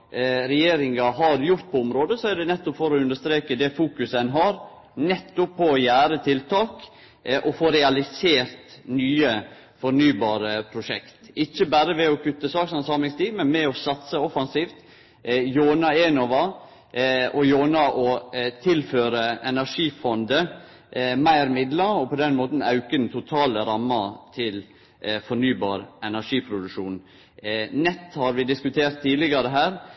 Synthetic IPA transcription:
ɾɛjeːɾɪŋɑɦɑɾjʊɾt̪̚pʰɔʊmɾoːd̪əsɔæd̪ɛnɛt̪ːɔpfɔɾɔʉnd̪əʂt̪ɾeːkəd̪ɛfuːkʉsəɛnɦɑːɾ | nɛt̪ːʊpʰːɔɔjæːɾət̪ʰɪlt̪ʰɑːk | ʔɔfoːɾɛɑlɪseːɾt̪nyːə | fɔɾnyːbɑːɾəpʰɾʊʂɛ̰kt̪ɪçːəbæːɾəʋɛɔkʰʉt̪ːəsɑːksɑnsɑːmlɪŋst̪iːmɛnmɛɔsɑt̪səɔfɑnsiːft̪ | joːnɑeːnɔʋɑ | ɔjoːnɑʔɔt̪ʰɪlføːɾəɛnæɾʂiːfɔnd̪ə | mæɪɾmɪd̪lɑɾɔpɔd̪ɛnmoːt̪n̩ɑʉkəd̪n̩t̪ʰʊt̪ʰɑːləɾɑmːɑt̪ʰɪl | fɔɳyːbɑ̰ːɾɛnæʂiːpʰɾʊd̪ʉkʂuːn | nɛt̪ːhɑɾʋɪd̪ɪskʉt̪ʰeːɾt̪ʰːiːlɪɡɑɾəɦæːɾ

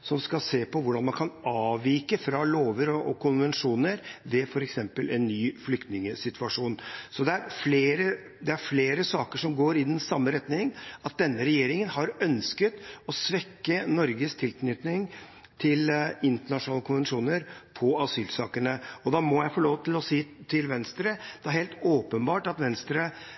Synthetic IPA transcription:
sɔmskɑlseːpʰɔʋʊɖɑnmɑnkʰɑnɑːʋiːkəfɾɑloːʋəɾɔɔkʰʊnʋɛnʂuːnəɾʋɛfɔɾɛksɛmpəlʔɛnːyːflʏkt̪nɪŋəsɪt̪ʰʋɑʂuːnsɔd̪ɛæɾfleːɾə | d̪ɛæɾfleːɾəsɑːkəʂɔmɡoːɾɪd̪ɛnsɑmːəɾɛt̪nɪŋɑt̪̚d̪ɛnːəɾɛjeːɾɪŋənhɑɾœnskət̪ɔsʋɛkːənɔɾɡəst̪ʰɪlkʰnʏt̪nɪŋ | t̪ʰɪlɪnt̪əɳɑʂʊnɑːləkʰʊnʋɛnʂuːnəɾpʰɔɑsyːlsɑːkənəɔd̪ɑːmɔjæɪfɔːloːʋət̪ʰɪlɔsiːt̪ʰɪlʋɛnst̪ɾəd̪ɛæɾheːlt̪oːpənbɑːʈɑt̪ʋɛnst̪ɾə

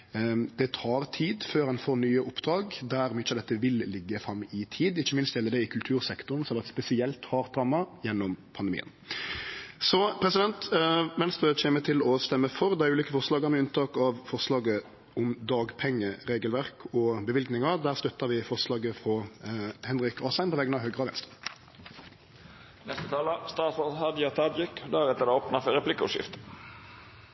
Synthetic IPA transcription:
d̪̥ɛt̪ʰɑːɾt̪ʰiːd̪føːɾhɑnfoːɾnyːəʔʊpːd̪ɾɑːɡd̪æɾmɪt͡ʃːɑd̪ɛt̪ːəʋɪllɪɡːəfɾɑmːɪt̪ʰiːd̪ɪçːəmɪnst̪jɛlːəd̪ɛɪkʰʉlt̪ʰʉːɾsɛkt̪ʊnsɔɛlʋɑt̪spɛsɪɛlt̪hɑːɾd̪ɾɑːmːɑjɛnːɔmpʰɑnd̪mḭːə̰n | sɔpʰɾɛsɪd̪ɛnt̪ʋɛnst̪ɾøːt͡ɕʰeːmət̪ʰɪlɔst̪ɛmːəfɔɾd̪ɛæʉːliːkəfɔʁʂlɑːɡɑmɛʉnt̪ʰɑːkɑʋfɔʁslɑːɡə | ʊmd̪ɑːɡpʰɛŋːəʁeːɡəlʋæʁkʰɔbəʋɪlɡnɪŋɑd̪æːʁst̪œt̪ːɑʁʋɪfɔʁslɑːɡəfʁɔhɛnɾɪkɑːsæɪnpʰɔʋɛɡːənɑʋɦøːɡʁəɑːʋɛnst̪ʁə | nɛst̪ət̪ʰɑːləst̪ɑːt̪fɔshɑd̪jɑt̪ʰɑd̪ʁɪkd̪æɾɛt̪əd̪ɛoːpnɑfɔɾɛpʰlɪkːʊ̰ʂɪ̰ft̪

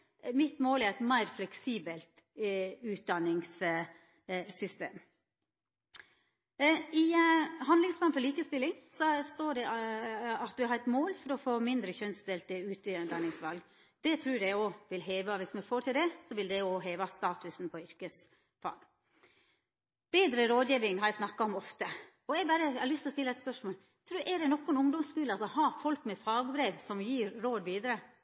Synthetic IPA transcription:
mɪt̪moːlæɾɛt̪mæɪɾflɛksiːbəlt̪ | ʉːt̪̚d̪ɑnɪŋs | sʏst̪ḛːm | ɪɦɑnɪŋsplɑːnfɔɭliːkəst̪ɪlːɪŋsɔst̪oːɖɛ | ɑt̪ʋɪhɑːɾɛt̪moːlfɔɾɔfoːmɪnd̪ɾəçœnsd̪ɛlt̪əʉːt̪ɪd̪ɑnɪŋsʋɑlɡ | d̪̥ɛt̪ʰɾʉːɾæoːʋɪlɦeːʋɑʋɪsmɛfoːt̪ʰɪld̪ɛsɔʋɪld̪ɛoɦeːʋɑst̪ɑːt̪ʉsn̩pʰɔʏɾkəs | fɑ̰ːɡ | b̥eːd̪ɾəɾoːd̪jiːʋɪŋhɑɾæsnɑkːɑɔmɔft̪ə | ɔɛɡbæɾəɑlʏst̪ɔst̪ɪlːɑɛɪt̪spœʂmoːl | t̪ʰɾʉːʔɛɖɛnɔkːɔɛnʊŋd̪ɔmskʉːlɑsɔhɑːfɔlkmɛfɑːɡbɾeːʋsɔmjiːɾɾoːd̪ʋiːd̪əɾə

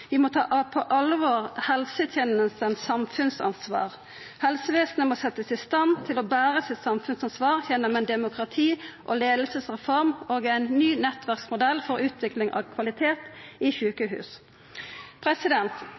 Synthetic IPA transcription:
ʋɪmɔt̪ʰɑ̰ːʔɑpʰɔʔɑlːəʋoːʁhɛlsət̪ʰjɛːnəst̪ənsɑmfʉnsɑ̰nsʋɑ̰ːʁ | hɛlsəʋeːsnəmɔsɛt̪ːəsɪst̪ɑnt̪ʰɪlɔbæːʁəsɪt̪sɑmfʉnsɑnsʋɑːʁjɛnːɔmɛnd̪ɛmʊkʁɑt̪ʰiːʔɔleːd̪lsəsʁɛfɔʁmoːɡæɪnːyːnɛt̪ʋæʁksmʊd̪ɛlfɔɾʉːt̪ʰʋɪklɪŋʔɑ̰ʋkʰʋɑlɪt̪ʰeːt̪ɪçʉːkəɦʉ̰ːs | pʰʁɛsɪd̪ɛnt̪

